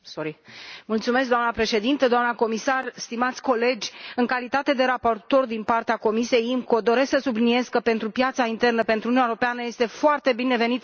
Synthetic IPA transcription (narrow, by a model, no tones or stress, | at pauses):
soɾmult̪sume̞s̬kd̪oamnəpɾe̞ʃe̞d̪int̪əd̪oamnəko̞misarst̪imat̪sʲko̞le̞d͡ʒʲɨŋkalit̪at̪e̞d̪e̞ɾapo̞rt̪o̞rd̪inpart̪eako̞misie̞jimko̞d̪o̞ɾe̞sksəsublinie̞skəpe̞nt̪ɾupjat̪saint̪e̞rnəpe̞nt̪ɾununeɾo̞peanəje̞st̪e̞foart̪e̞bine̞ve̞nit̪